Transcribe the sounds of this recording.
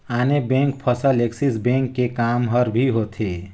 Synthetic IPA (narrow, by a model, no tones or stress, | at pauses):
anebẽŋk̚pʰəsəleksisbẽŋkːekamɦəɾbʱiɦot̪ʰe